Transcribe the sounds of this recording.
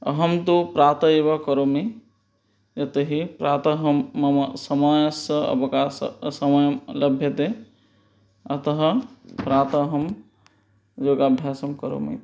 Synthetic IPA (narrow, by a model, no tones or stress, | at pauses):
ɦəmt̪opɾaːt̪əebakəɾomi | d͡ʒɐt̪əɦipɾaːt̪əɦəmːɐmsəmajsəə̰bkassəməjmləbʱjət̪e | ɐt̪əɦəpɾat̪əɦəm | d͡ʒoɡabʱjasəmkəɾo̰mḭ